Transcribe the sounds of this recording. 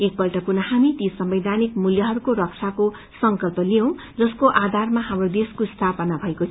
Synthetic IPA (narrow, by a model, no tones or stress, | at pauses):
ek̚bʌlʈʌpurnʌhamit̪isʌmbed̪ʱanikmuljʌɦʌɾukoɾʌk̚t͡sʰako | sʌŋkʌlpʌlijʌw̃ | d͡zʌskoʔad̪ʱarmaɦamrod̪eskost̪ʰapʌnabʱʌekot͡sʰ